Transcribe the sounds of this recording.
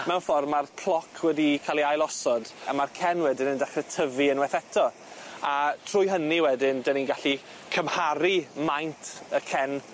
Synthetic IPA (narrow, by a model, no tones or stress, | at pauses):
mɛwnfɔrmarpʰl̥ˠɔkʰwɛdikʰalˠiajlˠɔsɔdamarkʰɛnwɛdɪnəndaχrɛtʰəviənwɛθɛtʰɔ | atʰrʊjɦəniwɛdɪndəninɡaɬi | kʰəmhaɾimajntʰəkʰɛn